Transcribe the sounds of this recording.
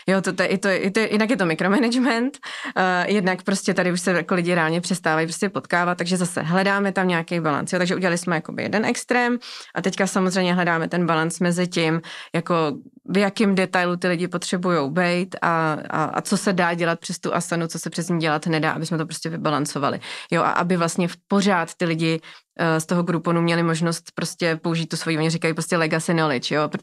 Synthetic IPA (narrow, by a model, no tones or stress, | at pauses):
jot̪ot̪oɛʔɪt̪ojɛʔɪt̪jɪ̰dnakjɛt̪o̞mɪkɾo̞mɛnɛd͡ʒmɛnt̪ | jɛdnakpɾo̞scʲɛt̪adɪuʃsɛjakolɪɟɪɾɛaːlɲɛpr̥ɛst̪aːvajipɾoscɛpo̞t̪kaːvat̪̚ːaɡʒɛzasɛ̰ɦlɛdaːmɛt̪amɲaakɛjbala̰nsjot̪aɡʒɛʔuɟɛlalɪsmɛjako̞bɪ̰jɛ̰dɛnʔɛkst̪ɾɛːmʔat̪ɛckasamozrɛjmɲɛɦlɛdaːmɛt̪ɛnbalansmɛzɪcɪmjako̞ | vjakɪmdɛt̪ajlut̪ɪlɪɟɪpo̞t̪r̝̥ɛbujo̞wbɛjt̪a̰a̰ʔa̰t͡so̞sɛdaːɟɛlat̪̚pr̥ɛst̪uʔasanut͡sosɛpr̥ɛzɲiːɟɛlat̪nɛda̰ːʔabɪsmɛt̪̬opɾoscʲɛvɪbalant͡so̞va̰lɪ̰joʔa̰ʔa̰bɪvlast̪ɲɛpo̞raːt̪ːɪlɪɟɪst̪o̞ɦoɡɾuponumɲɛlɪmo̞ʒnost̪pɾo̞scɛpo̞uʒit̪ːusvo̞jioɲɪrɪkajipɾoscɛlɛɡasɪnolɪt͡ʃjop